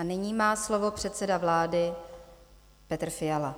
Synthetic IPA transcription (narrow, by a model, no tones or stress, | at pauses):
anɪɲiːmaːslo̞vo̞pr̥ɛt̪sɛdavlaːdɪ | pɛt̪r̩fɪjala